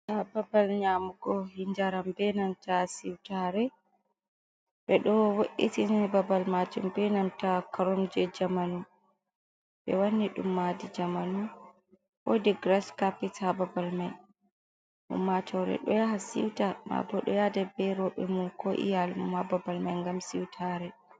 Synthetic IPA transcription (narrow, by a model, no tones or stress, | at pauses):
sababalɲamuɡɔhiɲd͡ʒaɾambɛnamtasiwtaɾɛ | ɓɛɗɔwoʔitinɛbabalmad͡ʒumbɛnamtakaɾɔmd͡ʒɛd͡ʒamanu | ɓɛ̰wanːiɗṵmːadid͡ʒamanu | ʔɔ̰dɛɡɾaskapːitababalmaj | ʔṵmːat͡ʃɔwɾɛ̰ɗɔ̰jaɦasḭwtama̰bɔɗɔ̰jadɛbɛɾɔɓɛmunkɔʔḭjalmumhababalmajŋɡamsiwtʰaɾɛ